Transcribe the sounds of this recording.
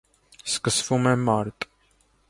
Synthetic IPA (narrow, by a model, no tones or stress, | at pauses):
skəsfumɛmaɾt̪ʼ